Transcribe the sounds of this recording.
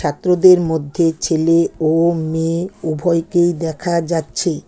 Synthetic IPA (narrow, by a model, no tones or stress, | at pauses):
at̪ːɾod̪eɾmod̪ʱːet͡ɕʰeleomeubʱɔjkejd̪ɛkʰad͡ʑatːɕʰe